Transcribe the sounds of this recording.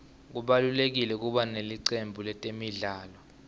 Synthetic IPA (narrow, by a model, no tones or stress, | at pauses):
k̬uɓalulek̬ilɛk̬uɓaneliǀembʱulɛtʼemiɮaːlɔ